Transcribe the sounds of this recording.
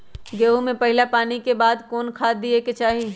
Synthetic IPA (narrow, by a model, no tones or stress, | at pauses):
ɡeːɦumẽpɐɦɪlapaːnikebaːd̪kɔːnkʰaːd̪ːieket͡ʃaːɦiː